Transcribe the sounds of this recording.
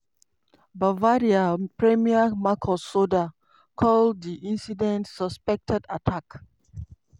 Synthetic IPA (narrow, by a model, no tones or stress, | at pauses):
bavaɾiapɹɛmiamakʰɔsoda | kʰɔlddiʔĩnsidɛ̃ntsɔspɛk̚tʰɛdatʰak